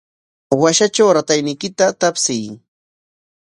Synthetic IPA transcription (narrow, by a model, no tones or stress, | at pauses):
waʃat͡ʃawɾat̪ajnɪjkɪt̪at̪apsɪj